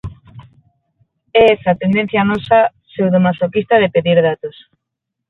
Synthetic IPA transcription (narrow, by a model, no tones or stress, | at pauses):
ɛsat̪end̪ẽn̟θjanɔsa | sewðomasokist̪aðepeðiɾðat̪os